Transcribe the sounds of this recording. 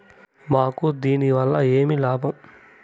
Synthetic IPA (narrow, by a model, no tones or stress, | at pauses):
maːkud̪iːniʋɐlːɐe̞ːmilaːbʱɐm